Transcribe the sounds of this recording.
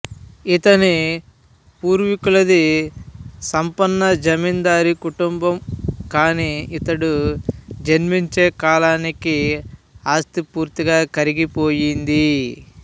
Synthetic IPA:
it̪ɐni | puːɾʋikulɐd̪i | sɐmpɐnːɐd͡ʒɐmind̪aːɾikuʈumbɐmkaːniit̪ɐɽu | d͡ʒɐnmiɲt͡ʃeːkaːlaːniki | aːst̪ipuːɾt̪iɡaːkɐɾiɡipo̞ːjind̪i

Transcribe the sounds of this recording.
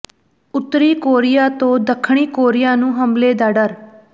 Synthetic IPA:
ʊt̪ːɾiːkoːɾɪjaːt̪õːd̪əkʰːɳiːkoːɾɪjaːnũːɦəmbleːd̪aːɖəɾ

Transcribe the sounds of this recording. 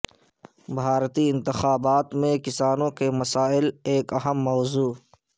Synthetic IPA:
bʱaːɾt̪iɪ̃nt̪ɪxaːbaːt̪mẽkɪsaːnõkemɐsaːɪleːkɐɦəmːɔːzuː

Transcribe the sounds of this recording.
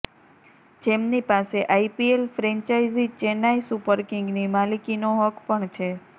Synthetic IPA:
d͡ʒemnipaseʔaipielfɾɛ̃ɲt͡ʃaizit͡ʃenaisupəɾkiŋɡnimalikinoɦəkpəɳt͡ʃʰe

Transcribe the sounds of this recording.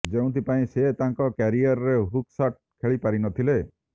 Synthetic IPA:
d͡ʒeũt̪ʰipaĩset̪aŋkɔkaɾiɔɾɔɾeɦuksaʈ̚kʰeɭipaɾinɔt̪ʰile

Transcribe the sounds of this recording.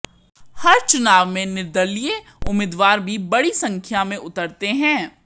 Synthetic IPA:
hɐɾt͡ʃʊnaːʋmẽnɪɾd̪əlije | ʊmɪd̪ʋaːɾbʱibɐɽisɐ̃ŋkʰjamẽʔʊt̪əɾt̪eɦɛ̃ː

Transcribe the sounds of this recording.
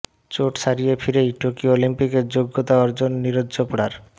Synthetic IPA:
t͡ɕoʈʃaɾijefʰiɾeiʈokiolimpikeɾd͡ʑoɡːot̪aɔɾd͡ʑonːiɾodːopɽaɾ

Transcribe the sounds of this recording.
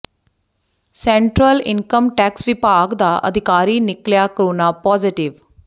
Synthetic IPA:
seɳʈɾəlḭŋkəmʈæksʋipaɡd̪aʔə̰d̪ʱikaɾiːnikljakəɾunapɔd͡ziʈiʋ

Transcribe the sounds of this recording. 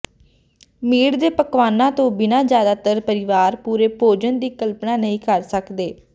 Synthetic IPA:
miːɽd̪eːpəkʋaːnãːt̪õːbɪnãːzjaːd̪aːt̪əɾpəɾɪʋaːɾpuːɾeːpoːd͡ʒənd̪iːkəlpnaːnəɦĩːkəɾsəkd̪eː

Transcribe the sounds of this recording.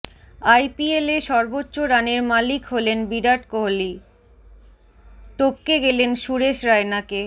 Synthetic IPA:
ajpieleʃɔɾbotːɕoɾaneɾmalikɦolenbiɖaʈkoɦli | ʈop̚keɡelenʃuɾeʃɾaenake

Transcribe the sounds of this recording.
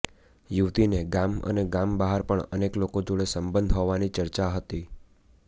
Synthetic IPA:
juʋt̪ineɡamə̰neɡambəɦaɾpəɳə̰neklokod͡ʒoɽesəmbənd̪ʱɦoʋanit͡ʃəɾt͡ʃaɦət̪i

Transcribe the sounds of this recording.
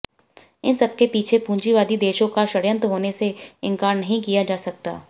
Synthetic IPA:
ɪnsɐb̚kepiːt͡ʃʰepũːɲd͡ʒiʋaːd̪id̪eːʃõkaʃɐɽjə̃nt̪ɦoːneseɪ̃ŋkaːɾnɐɦĩkijad͡ʒaːsɐk̚t̪a̰ː

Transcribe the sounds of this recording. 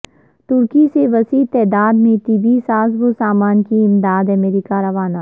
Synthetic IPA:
t̪ʊɾkiseʋɐsiːt̪ɛːd̪aːd̪mẽt̪ibisaːzʋosaːmaːnkiɪmd̪aːd̪ɐmeːɾiːkaɾɐʋaːnaː

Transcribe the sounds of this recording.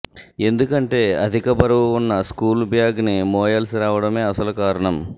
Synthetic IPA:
e̞nd̪ukɐɳʈe̞ːɐ̰d̪ʱikɐbɐɾɐʋuunːɐskuːlbʱjaːɡnimɔːjɐlsɾaːʋɐɽɐme̞ːɐsɐlukaːɾɐɳɐm

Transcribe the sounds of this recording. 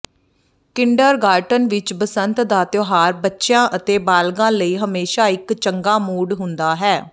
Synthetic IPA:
kɪɳɖəɾɡaːɾʈənʋɪt͡ʃbəsənt̪d̪aːt̪joːɦaːɾbətːʃjãːʔət̪eːbaːlɡãːləiːɦəmeːʃaːɪkt͡ʃəŋɡaːmuːɖɦʊnd̪aːɦɛː

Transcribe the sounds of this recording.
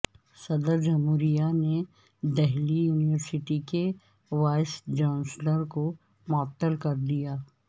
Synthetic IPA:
sɐd̪əɾd͡ʒɐmɦuːɾijane | d̪ɛɦlijuːnɪʋəɾsɪʈike | ʋaːɪsd͡ʒãːnsləɾko | mɔːt̪ːəlkɐɾd̪ijaː

